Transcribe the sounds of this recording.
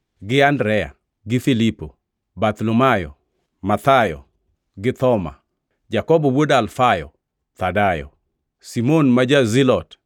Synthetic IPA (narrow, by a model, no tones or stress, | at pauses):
ɡɪandɾɛja̰ | ɡɪfilipo | bat̪lɔmajɔ̰ | mat̪ajɔ̰ | ɡɪt̪ɔma̰ | d͡ʒakɔbɔwodalfajɔ̰ | t̪adajɔ̰ | simonmad͡ʒazilɔt